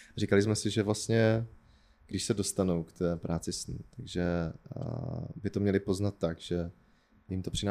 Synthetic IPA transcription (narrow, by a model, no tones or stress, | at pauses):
r̝ikalɪsmɛsɪʒɛvlast̪ɲɛ | ɡ̥dɪʃsɛdo̞st̪anuwkt̪ʰɛːpɾʔaːt͡sɪsnḭt̪aɡʒɛ | bɪt̪omɲɛlɪpo̞znat̪ːaɡʒ̥ɛ | jɪmt̪o̞pr̥ɪnaː